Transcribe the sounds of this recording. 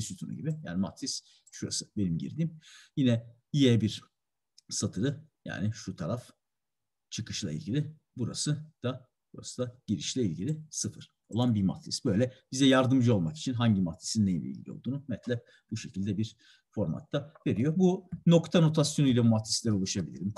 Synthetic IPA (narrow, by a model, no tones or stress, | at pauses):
isyt̪ʰunṵɟibɪja̰ːnimat̪ʰɾis | ʃuɾa̰sɯ̥be̞nimɟḭɾd̪iːmjinɛ | jijɛbiɾ | sat̪ʰɯɾɯ | ja̰ːnɪʃut̪ʰaɾaf | t͡ʃʰɯkʰɯʃlˠa̰ilʲɟʲilʲi | buɾa̰sɯd̪̥a | buɾa̰sɯd̪aɟ̥iɾiʃlʲɛilʲɟilʲisɯfɯɾ̥ | o̞lˠanbima̰t̪ʰɾḭsbø̞jlʲɛbizɛjaɾd̪ɯmd͡ʒɯo̞lˠmaki̥t͡ʃʰinɦaɲɟimat̪ʰi̥sinnːejibʲḭḭlʲḭo̞̰lˠd̪uːnunɛt̪lʲɛ | b̥uʃecʰilʲd̪ɛbiɾ | fo̞ɾma̰t̪ʰːave̞ɾijo̞buno̞kt̪ʰano̞t̪ʰasjonujlʲabumat̪ʰislʲæɾolˠuʃabilʲḭɾim